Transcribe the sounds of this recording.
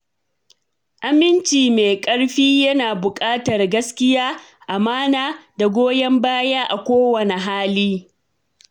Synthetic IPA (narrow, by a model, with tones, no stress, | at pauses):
ʔa˨mɪ˦nt͡ʃiː˨meː˨kʼɐ˦ɽɸiː˦jɐ˦naː˨bʊ˨kʼaː˦tɐ˨rɡɐ˦skʲɪ˦jaː˦ʔa˨maː˦naː˦da˨ɡʷoː˦jɛ˦mbaː˦jaː˦ʔa˨kʷoː˦wɐ˨ne˨ɦaː˦liː˦